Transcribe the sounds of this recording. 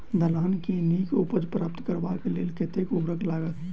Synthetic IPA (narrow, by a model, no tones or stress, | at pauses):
d̪əlaːnkenikupəd͡ʒpɾaːp̚t̪kəɾbakelelket̪ekubɾəklaɡət̪